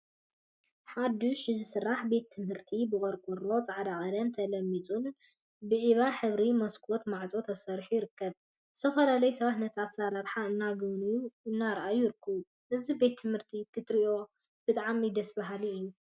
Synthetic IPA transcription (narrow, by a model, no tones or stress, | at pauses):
ħad̪ɪʃɨzɨsɨrːaħbe̞t̪ʰːɨmhɨɾt̪ʰibɨkʼɐɾkʼuɾlo̞t͡sʼaʕd̪akʼɐd̪ɐnt̪ʰɐlɐmːit͡sʼun | bɨʕiβaħɨβɾimɐskʰo̞t̪maʕt͡sʼo̞t̪ʰɐsɐɾħujɪɾɨkːɐβ | zɨ̥t̪ʰɐfɐlalɐjsɐβat̪nɐt̪ʰasaɾaɾħaɨnːaɡɨβnijuɨnːaɾʔajjɪɾɨkʰːɐβu | ʔɨzibe̞t̪ʰːɨmhɨɾt̪ʰikʰɨt̪ʼɾiʔo̞ | b̥ɨt̪ʼaʕmid̪ɐsbaɦaliɨjːu